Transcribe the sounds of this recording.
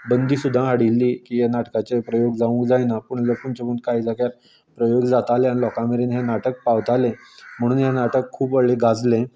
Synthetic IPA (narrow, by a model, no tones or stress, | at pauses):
bənd̪ʱiːsud̪ʱːãɦaɽilːiːkiːjenaʈkat͡sepɾəjoɡd͡zaʋũkd͡zajnapəɳələɾkuɳt͡ɕepəɳkaɦid͡zakjaɾ | pɾəjoɡd͡zat̪aleanilɔkãmeɾinɦenaʈək̚paʋt̪alẽm̤əɽ̃uːnjanaʈəkʰːuːpəɭeɡad͡zlẽ